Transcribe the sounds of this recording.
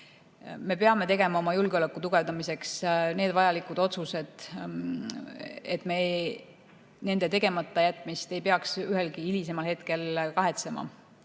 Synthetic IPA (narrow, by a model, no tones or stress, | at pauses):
me̞peɑme̞t̪e̞ɡe̞mɑo̞mɑjulɡeo̞lekːˑut̪uɡ̥e̞vd̪ɑmise̞ksne̞ːd̪vɑjɑlikud̪̥o̞t̪suse̞d̪̥ | et̪ːˑme̞ | ne̞nd̪̥e̞t̪e̞ɡe̞mɑt̪ːɑjæt̪ˑmist̪e̞jpeɑksyɦelkiilis̬e̞mɑlhe̞t̪ke̞lkɑɦe̞t̪se̞mɑ̰